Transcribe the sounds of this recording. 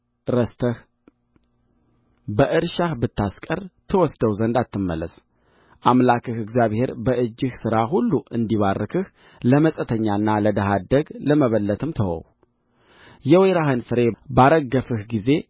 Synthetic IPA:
ɾəst̪ʰəh | bəʔɨɾʃahbɨt̪ːaskʼərt̪ʰəwɔsd̪əwzənd̪at̪ːɨmːə̰lːə̰s | ʔamlakɨhɨɡzjaβhe̞ɾbəʔɨd͡ʒːɨhsɨɾaɦulːuʔɨnd̪iβarːɨkʰɨh | ləməsʼət̪ʰəɲːaɨnːaləd̪əɦad̪əɡləməβəlːət̪ʰɨmt̪ʰəwɔ̰w | jɛwejɾahɨnfɨɾe̞baɾəɡːəfɨhɡize̞

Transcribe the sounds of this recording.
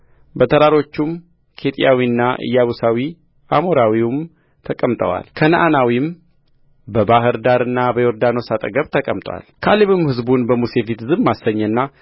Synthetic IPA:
bət̪ʰəɾaɾo̞t͡ʃːum | kʰe̞t̪ʼjawinːaʔɨ̰jːaβusawi | amoɾawium | t̪ʰəkʼəmt̪ʼə̰wa̰lkʰənəʔanawim | bəbaɦɨɾd̪aɾɨnːabəjoɾd̪ano̞sat̪ʼə̰ɡəβt̪ʰəkʼəmt̪ʼwa̰lkʰaliβɨmhɨzbunbəmuse̞fit̪zɨβmasəɲːɛnːa

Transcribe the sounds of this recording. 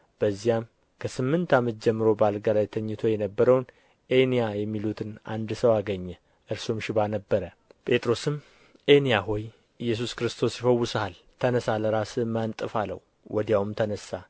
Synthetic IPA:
b̥əzːijam | kʰəsɨmːɨnt̪ʰamət̪̚d͡ʒɛmːɨɾo̞balɡalajt̪ʰəɲːɨt̪ʰo̞jɛnəbːəɾəwn | ʔe̞nijajɛmːilut̪ʰɨnʔa̰nd̪səwaɡəɲːɛ | ʔɨɾsumʃɪβanəbːəɾə | pʼe̞t̪ʼɾo̞sɨm | ʔenijaɦo̞j | ʔɨjːɛs̬uskɾɨst̪ʰo̞sjɪfəwːʊsaal | t̪ʰənəsaləɾasɨmant̪ʼɨfalə̰w | wʔɔd̪jawmt̪ʰənəsːa

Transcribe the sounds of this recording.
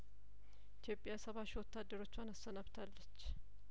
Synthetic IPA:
ʔit̪ʰjo̞pʼɪjasəβaʃiwɔt̪ːad̪ːəɾo̞t͡ʃːwanasənaβt̪ʰalːət͡ʃː

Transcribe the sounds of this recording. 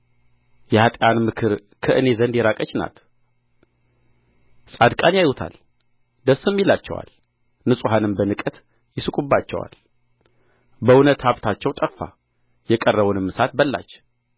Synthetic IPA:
jɛhat̪ʼjanmɨkʰɨɾ | kʰəʔɨne̞zənd̪jɛɾakʼət͡ʃːna̰t̪ | sʼad̪kʼanjajhut̪ʰa̰l | d̪əsːɨmːilat͡ʃːɛwa̰l | nɨsʼuɦanɨmbənɨkʼət̪ | jɪsɨkʼubːat͡ʃːɛ̰wa̰l | bəunət̪haβt̪ʰat͡ʃːɛwt̪ʼəfːa̰ | jɛkʼərːəβunɨmːɨsat̪̚bəlːa̰t͡ʃː

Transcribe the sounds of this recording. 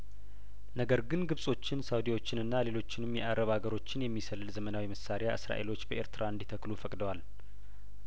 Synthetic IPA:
nəɡəɾɡɨnɡɨβsʼo̞t͡ʃːɪnsawd̪iwo̞t͡ʃːɪnɨnːale̞lo̞t͡ʃːɪnɨmjɛʔaɾəβhaɡəɾo̞t͡ʃːɪnjɛmːisəlːɨlzəmənawiməsaɾejaʔɨ̰sɾa̰ʔe̞lo̞t͡ʃːbəʔe̞ɾt̪ɨɾʔaɨnd̪it̪ʰəklufəkʼd̪əwal

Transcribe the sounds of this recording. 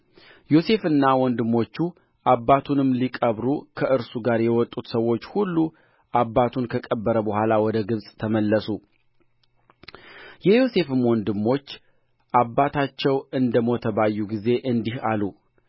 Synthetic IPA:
jo̞se̞fɨnːawɔnd̪ɨmːo̞t͡ʃːu | ʔabːat̪ʰunɨmlikʼəβɾukʰəɨɾsuɡaɾjɛwɔt̪ʼːut̪səwːo̞t͡ʃːhulːu | ʔabːat̪ʰunkʰəkʼəbːəɾəbəhʷalawɔd̪əɡɨβsʼt̪ʰəməlːəsu | jɛjo̞se̞fɨmwɔnd̪ɨmːo̞t͡ʃː | ʔabːat̪ʰat͡ʃːɛwɨnd̪əmo̞t̪ʰəβajːuɡize̞ʔɨnd̪ihalu

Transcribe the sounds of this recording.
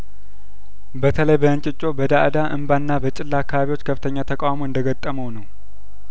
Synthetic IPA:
bət̪ʰələjbəɨnt͡ʃʼɪt͡ʃʼːo̞bəd̪aʔɨd̪aʔɨmbanːabət͡ʃʼɪlːaːkːaβaβiwot͡ʃːkʰəfɨt̪ʰəɲːat̪ʰəkʼawamoɨnd̪əɡət̪ʼːəməwnəw

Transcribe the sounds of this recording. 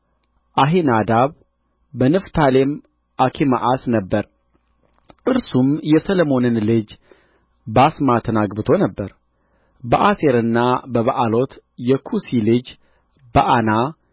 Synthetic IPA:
ʔaɦenad̪aβ | bənɨft̪ʰalem | ʔakʰima̰ʔasnəbːəɾ | ʔɨɾsumjɛsələmo̞nɨnlɨd͡ʒ | basmat̪ʰənaɡbɨt̪ʰo̞nəbːəɾ | bəʔaseɾɨnːabəβaʔalo̞t̪jɛkʰusilɨd͡ʒ | bəʔana

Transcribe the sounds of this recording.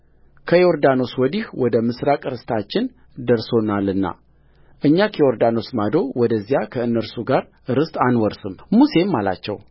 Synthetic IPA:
kʰəjoɾd̪ano̞swɔd̪ihwɔd̪əmɨsɾakʼɨɾɨst̪ʰat͡ʃːɪn | d̪əɾso̞nalɨnːa̰ | ʔɨɲːakʰijo̞ɾd̪ano̞smad̪o̞wɔd̪əzːjakʰəɨnːəɾsuɡaɾ | ɨɾɨst̪ʼanwɔɾsɨmmuse̞mːala̰t͡ʃːɛ̰w

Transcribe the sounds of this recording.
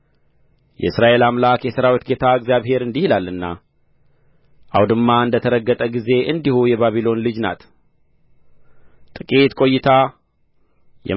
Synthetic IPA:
jɛ̰ɨsɾaʔe̞lamlakjɛsəɾawit̪ɡe̞t̪ʰaɨɡzjaβhe̞ɾɨnd̪ihilalːɨnːa̰ | ʔa̰wd̪ɨmːaɨnd̪ət̪ʰəɾəɡːət̪ʼəɡize̞ʔɨnd̪ihujɛβaβilo̞nlɨd͡ʒna̰t̪ | t̪ʼɨkʼit̪kʼo̞jːɪt̪ʰa | jɛ̰

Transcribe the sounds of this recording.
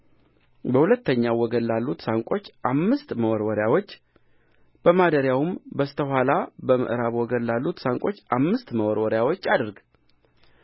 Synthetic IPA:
bəhulət̪ʰːəɲːawɔɡənːalːut̪saŋkʼo̞t͡ʃːʔamːɨst̪məwɔɾwɔɾjawo̞t͡ʃː | b̥əmad̪əɾjawumbəst̪ʰəɦʷalabəmə̰ʔɾaβwɔɡənːalːut̪saŋkʼo̞t͡ʃːʔamːɨst̪məwɔɾwɔɾjawot͡ʃːad̪ɨɾɡ

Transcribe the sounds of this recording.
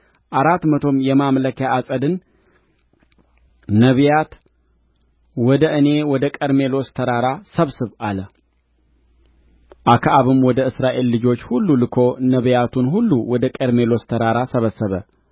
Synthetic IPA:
ʔaɾat̪mət̪ʰo̞mjɛmamləkjaʔːsʼəd̪ɨn | nəβjat̪ | wɔd̪əʔɨne̞wɔd̪əkʼəɾme̞lo̞st̪ʰəɾaɾasəβsɨβʔalə | ʔakʰaʔaβɨmwɔd̪əɨsɾaʔe̞lːɨd͡ʒo̞t͡ʃːhulːulɨkʰo̞nəβjat̪ʰunɦulːuwɔd̪əkʼəɾme̞lo̞st̪ʰəɾaɾasəβəsːəβə

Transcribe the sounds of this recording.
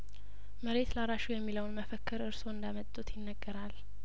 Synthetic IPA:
məɾe̞t̪laɾaʃujɛmːiləwnməfəkʰːɨɾɨɾso̞ɨnd̪amət̪ʼːut̪ʰjɪnːəɡːəɾal

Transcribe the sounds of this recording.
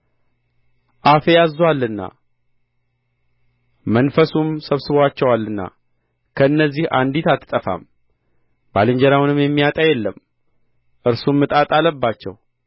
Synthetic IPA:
ʔafejazːwalːɨnːa̰ | mənfəsumsəβsɨβʷat͡ʃːɛwalːɨnːa̰ | kʰəɨnːəzːiha̰nd̪it̪at̪ʰːɨ̥t̪ʼəfa̰m | b̥alɨɲd͡ʒɛɾawunɨmjɛmːijat̪ʼajɛlːəm | ʔɨɾsumːɨt̪ʼat̪ʼaləbːat͡ʃːɛ̰w

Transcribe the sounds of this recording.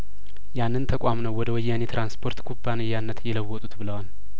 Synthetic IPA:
janːɨnt̪ʰəkʷʼamnəwːɔd̪əwɔjːanet̪ɾʔanspʰo̞ɾt̪kʰubːanɨjːanːət̪jɛləwːɔt̪ʼut̪bɨləwal

